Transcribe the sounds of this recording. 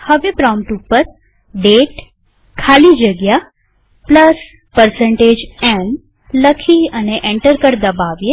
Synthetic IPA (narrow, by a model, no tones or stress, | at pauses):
həʋepɾãmʈupːəɾ | ɖeʈ | kʰalid͡ʒəɡja | pləs | pəɾsə̃ɳʈed͡ʒen | ləkʰiəneʔẽɳʈəɾkəɾd̪əbaʋje